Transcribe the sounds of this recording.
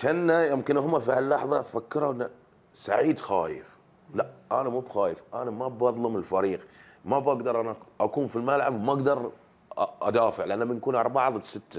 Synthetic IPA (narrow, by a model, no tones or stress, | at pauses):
ʃanːajɪmkɪnɦʊmːafilːɑħðˤɑfakːɪɾˤaʔɪnːa | saʕiːd̪xa̰ːjɪ̰f | laʔanamuːbxaːjɪfʔanamabɑðˤlʊmɪlfaɾiːq | mabaɡd̪ɑɾˤʔanaʔakuːnfilmalʕabwmaaɡd̪ɑɾˤ | ʔa̰d̪aːfɪʕlɪʔanːamɪnkuːnʔɑɾˤbɑʕɑðˤsɪt̪ːa